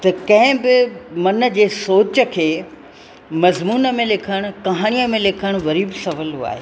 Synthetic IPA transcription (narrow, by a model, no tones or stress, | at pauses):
t̪ɐkɐ̃ɦɪ̃bɪmɐnə̆d͡ʑeːsoːt͡ɕə̆kʰeː | mɐzmuːnə̆mẽlɪkʰəɽ̃ʊ̆kɐɦaːɽ̃ijəmẽlɪkʰəɽ̃ʋɐɾiːbsɐʋəlɦua̰ːɦḛː